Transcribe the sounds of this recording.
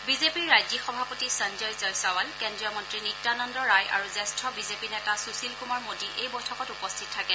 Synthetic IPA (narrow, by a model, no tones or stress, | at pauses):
bizepiɹajzixɔbʱapotisənzɔjzɔjsawalkɛndɹijɔmɔntɹinitːanɔndɔɹajʔa̰ɹuzɛstʰɹɔbizepinɛtasusilkumaɹmodiʔejbɔjtʰɔkɔtupɔstʰit̚tʰːakɛ